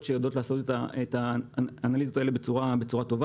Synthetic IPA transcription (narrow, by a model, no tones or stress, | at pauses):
ʃejado̞t̪laːso̞t̪etaet̪aːnalizotaelebe̞t͡suʁabe̞t͡suʁato̞va